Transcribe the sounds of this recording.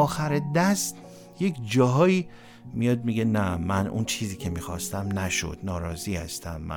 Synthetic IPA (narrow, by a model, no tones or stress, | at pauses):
ɒːxæɾed̪æst̪ | je̞cʰd͡ʒɒːɦɒːiː | mijɒːd̪̚miɡenæmænṵnt͡ʃʰiːziːcʰe̞miːxɒ̰ːst̪æmnæʃo̞̰d̪̥nɒːɾɒːziːhæ̰st̪æmːæ̰